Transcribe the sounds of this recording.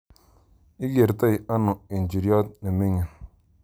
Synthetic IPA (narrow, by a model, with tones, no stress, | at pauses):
i˦ɡe˨ɾta˦i˨a˦no˨i˨nd͡ʒi˨ɾjɔ˦t̪̚ni˨me˦ŋi˨n